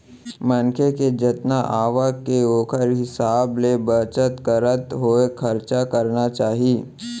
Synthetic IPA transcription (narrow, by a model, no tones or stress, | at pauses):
mɐnkʰeked͡ʒət̪naʔaːʋakeoːkʰəɾɦɪsaːblebət͡ʃət̪kəɾət̪ɦoːekʰɐɾt͡ʃakɐɾnat͡ʃaːɦiː